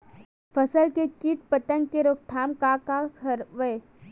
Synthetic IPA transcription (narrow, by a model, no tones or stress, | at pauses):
fʰəsəlkekit̪̚pət̪ə̃ŋɡkeɾʊkt̪ʰaːmkakakʰəɾʋəe